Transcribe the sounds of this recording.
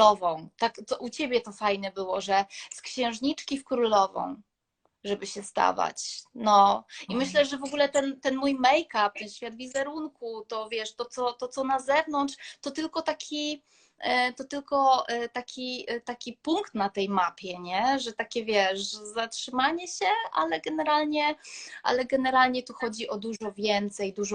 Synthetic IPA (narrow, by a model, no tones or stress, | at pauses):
ɔvɔ̃w̃t̪akt̪ɔʔut͡ɕebʲjɛt̪ɔfajnɛbɘwɔʐɛskɕɛ̃w̃ʐɲit͡ʂkʲifkɾulɔvɔ̰̃w̃ | ʐɛbɘɕɛst̪a̰va̰t͡ɕnɔimɘɕlɛʐɛvɔɡulɛt̪ɛnt̪ɛnmujmɛjkap̚t̪ɛnɕfʲjad̪vʲizɛɾunkut̪ɔvʲjɛʂt̪ɔt̪sɔt̪ɔt̪sɔnazɛvnɔntʂt̪ɔt̪ɘlkɔt̪akʲʰi | t̪ɔt̪ɘlkɔt̪akʲit̪akʲipuŋkt̪nat̪ɛjmapʲjɛɲɛʐɛt̪akʲɛvʲjɛʂzatʂɘmaɲɛɕɛʔa̰lɛɡɛnɛɾalɲɛʔa̰lɛɡɛnɛɾalɲɛt̪uxɔd͡ʑiʔɔd̪uʐɔvʲjɛnt̪sɛjd̪uʐɔ